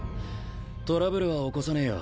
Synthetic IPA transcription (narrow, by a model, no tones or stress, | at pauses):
t̪o̞ɾabɯ̟ɾɯ̟βaoko̞sanejo̰